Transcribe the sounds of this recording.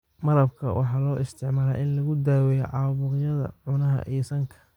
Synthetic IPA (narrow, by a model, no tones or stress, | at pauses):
mɐɾɐb̚kʰɐ̰wʔɑ̰ħɑːlɔːʔɪst̪ʰɪʕmaːla̰ːʔɪnlɐɣʊd̪aːwɛjɛʕɑːβʊɾjɐðɐ̰ʕʊnɐɦɐ̰ʔijsɐŋkʰɐ̥